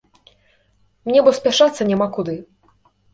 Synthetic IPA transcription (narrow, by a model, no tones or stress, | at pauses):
mnʲɛbɔsʲpʲaʂat̪sːɐnʲamakud̪ɨ